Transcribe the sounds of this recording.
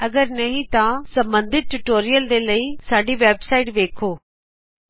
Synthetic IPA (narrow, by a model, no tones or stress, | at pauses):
əɡəɾnəɦĩːt̪ãːsə̃mbənd̪ɪt̪̚ʈuʈoːɾɪjəld̪eːləiːsaːɖiːʋɛːbsaːiʈʋeːkʰoː